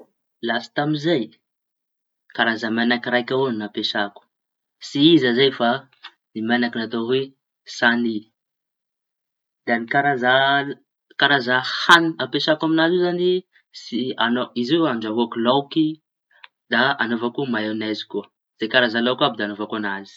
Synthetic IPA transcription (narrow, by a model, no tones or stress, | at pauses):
lasḁt̪amizaj | kaɾazamanakiɾajkʲaoninapeʃaku̥ | siizazajfa | nimanakinat̪oɦe | sani | d̪̥anikaɾaza | kaɾazahaniapeʃakaminazuzani | sianoiziaɳd͡ʒaɦuakulawki | d̪aa̰novakumaewnajzi̥kuə | z̥ekaɾazalawkabid̪anovakuanazi̥